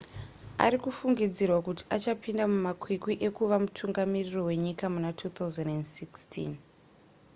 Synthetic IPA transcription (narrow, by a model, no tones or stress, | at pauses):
a̰ɾikufuŋɡid͡zirwakuti̥ʔat͡ʃapindamumakʰwikwiʔe̞kuʋamutʰuŋɡamiriro̞we̞ɲikamunatʰut̪ʰawzendendsikstʰḭn